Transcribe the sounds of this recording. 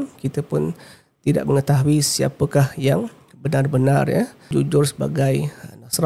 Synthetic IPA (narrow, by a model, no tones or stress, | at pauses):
nkit̪əpʊn | t̪ida̰ʔməŋət̪aɦuisia̰pəkahjaŋ | bənarbənarjə̰d͡ʒud͡ʒʊrsəba̰ɡajnasɾa